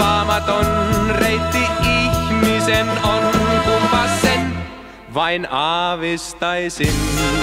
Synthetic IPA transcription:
ɑmɑt̪onrejt̪ːiiçmisenonk̪umpɑsːen | ʋɑjnɑʋest̪ɑjsin

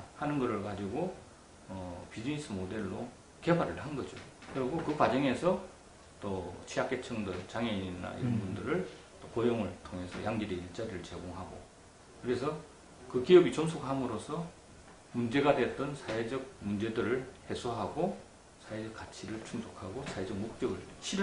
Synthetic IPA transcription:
hanɯnɡʌɾɯɭkad͡ʑiɡo | ʌpid͡ʑinis͈ʰɯmode̞ɭːo | ke̞baɾɯɭɦanɡʌd͡ʑokɯɾʌɡokɯkwad͡ʑʌŋe̞sʰʌ | t͈ot͡ɕʰiak͈et͡ɕʰʌŋdɯnt͡ɕaŋeiinːa̰ḭɾʌnbundɯɾɯɭ | t͈okojoŋɯɭtʰoŋɦe̞sʰʌjaŋɡiɾeiɭt͡ɕ͈adɯɾɯɭt͡ɕe̞ɡoŋɦaɡo̰ | kɯɾe̞s̬ʰʌ | kɯkijʌbit͡ɕʌmsʰokhamɯɾosʰʌ | mund͡ʑe̞ɡadwet͈ʌnsʰawed͡ʑʌɡ̚mund͡ʑe̞dɯɾɯɭhe̞sʰoɦaɡo | sʰaed͡ʑʌk͈̚at͡ɕʰiɾɯɭt͡ɕʰuŋsʰokʰaɡosʰae̞d͡ʑʌk̚mok̚t͡ɕ͈ʌɡɯɭɕʰi

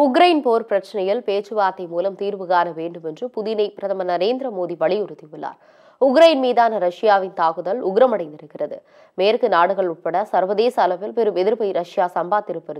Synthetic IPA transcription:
ʊk̬ɾɐjɪnpoːɾpɾɐt͡ʃːɐnɐjɪlpeːt͡ʃɯʋaːt̪ːɐɪmuːlɐmt̪iːɾʋɯɣaːnɐʋeːɳɖɯmɛndrɯpʊðɪnɐɪpɪɾɐðɐmɐnɐɾeːnd̪ɾɐmoːðiʋɐɭɪjʊɾɯt̪ːɪʋɯɭːa̰ːɾ | ʊkɾɐjɪnmiːðaːnɐɾɐʂɪjaːʋɪnt̪aːɣɯðɐlʊɣɪɾɐmɐɽɐɪnd̪ɪɾɯkːɪrɐðɯ̰ | meːɾkɯnaːɽɯɣɐɭʊʈ̚pɐɽɐsɐɾʋɐðeːsɐːlɐpːɪlpɛɾɯmɛðɪɾpɐɪɾɐʂɪjaːsɐmbaːt̪ːɪɾɯpːɐɾɯ

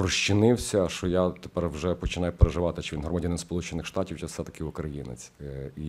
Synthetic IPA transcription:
rɔʃt͡ʃːɪnɪwsʲɐʃɔjat̪e̥pɛrwʒɛpɔt͡ʃɪnɑjʊpeɾeʒɪʋɑt̪ɪt͡ʃɪʋʲinɦɾɔmɐdʲanɪnspɔlˠut͡ʃenɪxʃt̪ɑtʲiwt͡ʃɛssɛt̪ɐ̥kɪʊkɾɐjinḛt͡sʲi

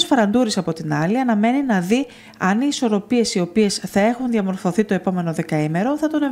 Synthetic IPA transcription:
sfɐɾɐnd̪uɾisɐpo̞t̪inɐliɐnɐme̞ninɐði | ɐniːso̞ɾo̞pie̞sio̞pie̞sθɐe̞xunðʝɐmo̞ɾfo̞θit̪o̞e̞po̞me̞no̞ðe̞kɐime̞ɾo̞θɐt̪o̞ne

